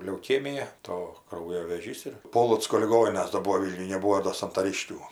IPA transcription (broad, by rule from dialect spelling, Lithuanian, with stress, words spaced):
lʲɛʊˈkʲeːmʲɪjɛ ˈtoː ˈkrɐʊjoː ʋʲeːˈʒʲiːs ɪr ˈpoːlˠoːt͡skoː lʲɪˈɡoːnʲɪnɐs doː ˈbuɔ ˈʋʲiːlʲnʲʊj nʲɛˈbuːoː doː sɐntɐˈrʲɪʃʲkʲuː